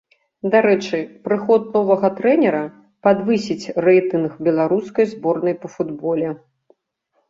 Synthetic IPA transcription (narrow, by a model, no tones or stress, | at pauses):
d̪aɾɛt͡ʂɨpɾɨxɔt̪̚nɔvɐɣɐt̪ɾɛnʲɛɾɐ | pad̪vɨsʲit͡sʲrɛjt̪ɨnxbʲɛlˠaɾuskɐjzbɔrnɐjpɐfud̪bɔlʲɛ